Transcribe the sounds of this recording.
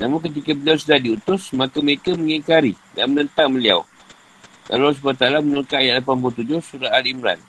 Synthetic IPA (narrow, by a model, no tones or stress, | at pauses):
namʊŋkət̪̬ikabəliaws̬udahdiut̪ʊsmakaməɾekaməŋikaɾi | da̰nmənənt̪aŋməlia̰w | ka̰laws̬ubat̪alamənuɾkaajaʔlapanp̬ult̪ud͡ʒʊhsuɾaalimɾa̰n